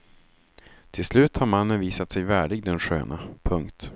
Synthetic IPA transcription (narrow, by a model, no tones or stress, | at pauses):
t̪ʰɪlslʉ̟ːt̪haɾmanːənviːsat̪sɛjvæːɖɪɡ̚d̪ɛnɧø̰ːnʔa̰pʰɵŋkt̪